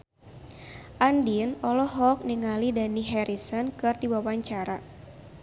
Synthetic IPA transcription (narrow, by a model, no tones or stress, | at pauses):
ʔandinɔlɔɦɔk̚niŋalidaniɦɛɾisɔnkɨrdiwawaɲt͡ʃaɾa